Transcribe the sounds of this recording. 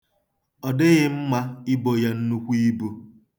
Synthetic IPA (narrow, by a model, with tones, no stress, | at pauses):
ɔ˨dɪ˦ɣɪ˦m̩˦ma˦ɪ˦bo˨ja˦n̩˦nu˦kʷi˦bo˦